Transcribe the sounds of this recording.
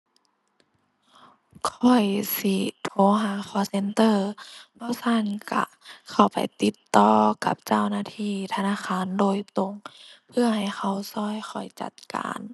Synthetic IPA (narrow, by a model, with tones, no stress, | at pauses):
kʰɔ˨˩jsi˧˩t̪ʰoː˨˧˦ɦaː˨˦kʰɔː˧˩se˧nt̪ɤː˧˩bɔː˧˥˩sʰa˧˥˨nka̰˧˩ | kʰa˧˩wpa̰˨jt̪i˧˦t̪ːɔː˧ka̰˧˦p̚t͡ɕa˧˩˨wnaː˧˥˨t̪ʰiː˧˥˨t̪ʰa˧naː˧˥˨xʰaː˧˥˨ndoː˨˩jt̪o˧˦ŋpʰɯ˧ɐha˨˩jxʰa˧˩wsɔː˧˩˨jxʰɔ˨˩jt͡ɕa̰˧˦t̪̚ka̰ː˨n